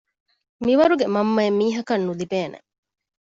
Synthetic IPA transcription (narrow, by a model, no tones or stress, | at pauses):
miʋɐɾuɡemɐmːɐemːiːɦɐkɐnːulibeːnḛ